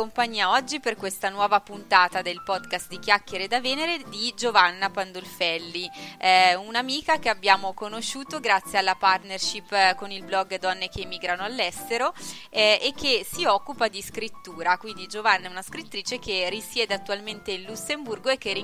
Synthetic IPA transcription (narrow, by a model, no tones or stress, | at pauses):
ompaɲːiːaɔd͡ʒːiperkwest̪anwɔːvapunt̪aːt̪ad̪elpɔd̪kast̪̚d̪ik̟jakːjeɾed̪aveːneɾed̪id͡ʒovanːapand̪olfɛlːiɛunamiːkakeabːjaːmokonoʃuːt̪oɡɾat̪sːjealːapart̪nerʃipːkonilblɔɡːd̪ɔnːekemːiːɡɾanoalːɛst̪eɾoɛekʰːesiɔkːupad̪iskɾit̪ːuːɾakwind̪id͡ʒovanːaɛunaskɾit̪ːɾiːt͡ʃek̟erisjɛːd̪eat̪ːualment̪elːusːemburɡoekːeri